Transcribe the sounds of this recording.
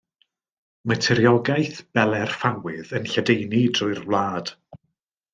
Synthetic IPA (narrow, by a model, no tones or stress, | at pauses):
mətʰɛɾjɔɡajθb̥ɛlˠɛrfawɪðənɬadejnidrʊɨrvlˠaːd̥